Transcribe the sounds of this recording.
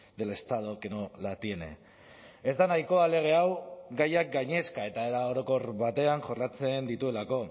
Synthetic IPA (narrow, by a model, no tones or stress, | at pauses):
d̪e̞le̞st̪að̞o̞kenolat̪ienḛ | e̞zd̪anajko̞ale̞ɣ̞e̞awɡajak̚ɡaɲe̞skae̞t̪ae̞ɾao̞ɾo̞ko̞ɾβat̪e̞aŋʝorat͡se̞nd̪it̪ue̞lako̞